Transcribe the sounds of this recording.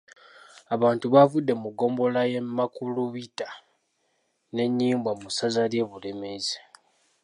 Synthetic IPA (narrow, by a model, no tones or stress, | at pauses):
aβaːntuβavudːe̞muɡo̞ːmbo̞lajemːakuluβita | ne̞ɲːiːmbwamusazalje̞βulemeze